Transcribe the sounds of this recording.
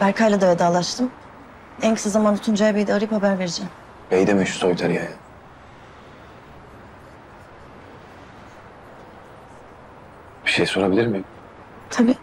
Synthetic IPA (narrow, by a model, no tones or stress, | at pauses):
bæɾkʰajlʲad̪avɛd̪aːlˠaʃt̪ʰɯm | ɛncʰi̥sazamanut̪ʰund͡ʒajabejd̪ɛaɾɯjiphabæɾve̞ɾid͡ʒɛm | bejd̪emyʃsojt̪ʰaɾjajɯn | b̥i̥ʃejso̞ɾabilʲiɾmi | t̪ʰabiː